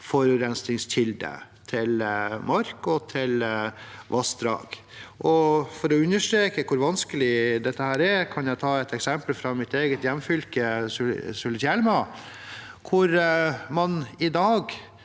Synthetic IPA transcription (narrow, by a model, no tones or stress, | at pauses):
fɔɾʉːɾɛnsnɪŋstʰɪld̪ə̰t̪ʰɪlmɑɾkɔt̪ʰɪl | ʋʔɑsd̪ɾɑ̰ːɡ̥ | ʔɔfɔɾɔʉnːəʂʈɾeːkəkʰʊɾʋɑnskəlɪd̪ɛt̪ːəhæːɾɛɾkʰɑnjæt̪ʰɑːɛt̪ɛksɛmpəlfɾɑmɪt̪eːɡət̪jɛmːfʏlkəssʊlət̪ælmɑ | kʰʊɾmɑnɪd̪ɑːɡ